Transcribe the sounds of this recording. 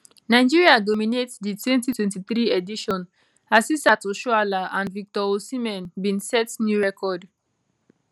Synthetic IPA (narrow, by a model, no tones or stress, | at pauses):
naɪd͡ʒiɹiadɔminetsditwɛ̃ntitwɛ̃ntiθɹiediʃɔ̃n | asistatoʃualaãnvik̚tɔosimɛ̃nbĩnsɛtnjuɹɛkʰɔd